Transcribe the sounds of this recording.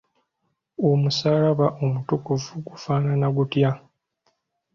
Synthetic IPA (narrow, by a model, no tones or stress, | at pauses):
omusaːlaβaʔomutukuvuɡufaːnanaɡutja